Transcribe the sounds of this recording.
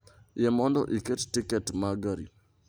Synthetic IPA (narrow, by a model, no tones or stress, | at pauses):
jɛmɔndɔ̰ʔikettikɛtmaɡaɾḭ